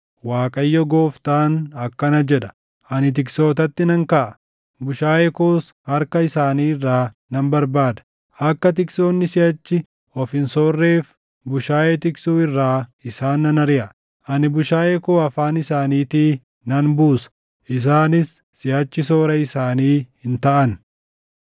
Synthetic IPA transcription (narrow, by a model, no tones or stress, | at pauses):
waːkʼɐjːɔɡoːft̪aːnɐkːɐnɐd͡ʒɛᶑɐ̥ | ʔɐnɪt̪̬ɪkso̞ːt̪ɐt̪ːɪnɐŋkɐʔɐ | bʊʃaːjɛkoːshɐɾkɐɪsaːniːɪrːaː | nɐmbɐɾbaːd̪ɐ̥ | ɐkːɐt̪̬ɪksoːnːɪsɪjɐt͡ʃːɪ | ɔfɪnsoːrːe̞ːf | bʊʃaːjɛt̪ɪksuːɪrːaːɪsaːnːɐnɐɾɪʔɐ | ʔɐnɪbʊʃaːjɛkoːɐfaːnɪsaːniːt̪iː | nɐnbuːsɐ̥ | ʔɪs̬aːnɪsː | ɪhɐt͡ʃːɪso̞ːɾɐɪsaːniːhɪnt̪ɐʔɐn